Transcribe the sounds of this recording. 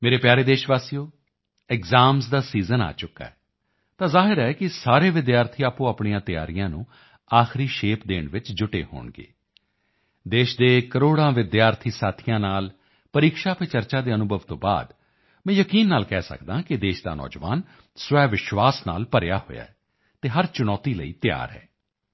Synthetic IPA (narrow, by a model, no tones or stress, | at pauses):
meːɾeːpjaːɾeːd̪eːʃʋaːsijoː | ɛkzaːmsd̪aːsiːzəna̰ːt͡ʃʊkːa̰ːɛː | t̪ãːzaːɦɪɾɛːkɪsaːɾeːʋɪd̪jaːɾt̪ʰiːaːpũːaːpɳijãːt̪ɪja̰ːɾɪjãːnṵ̃ː | aːxɾiːʃeːpd̪eːɳʋɪt͡ʃd͡ʒʊʈḛːɦo̰ːɳɡḛː | d̪eːʃd̪eːkəɾoːɽãːʋɪd̪jaːɾt̪ʰiːsaːt̪ʰijãːnaːl | pəɾiːkʃaːpʰet͡ʃəɾt͡ʃaːd̪eːənʊbʱəʋt̪õːba̰ːd̪ | mɛ̃ːjəkiːnːaːlkɛːsə̰kd̪ãːkɪd̪eːʃd̪a̰ːnɔ̰ːd͡ʒʋa̰ːn | sʊʋɛːʋɪʃʋaːsna̰ːlpəɾja̰ːɦo̰ːja̰ːɛ | t̪eːɦəɾt͡ʃʊnɔːt̪iːlə̰iːt̪ɪja̰ːɾɦɛ̰ː